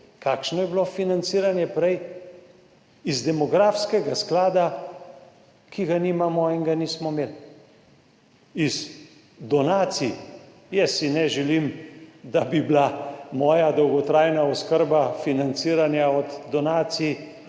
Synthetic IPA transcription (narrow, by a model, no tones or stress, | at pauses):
kakʃnɔjɛblofinant̪siːɾanjɛpɾɛj | izd̪ɛmɔɡɾafskɛɡasklaːd̪a | kʰiɡaniːmamɔiŋɡaniːsmɔmeːl | iz | d̪ɔnaːt̪si | jɛsːinɛʒɛlimd̪abiblamɔːjad̪ɔwɡɔt̪ɾaːjnaɔskəɾbafinant̪siːɾanjaɔd̪ːɔnaːt̪si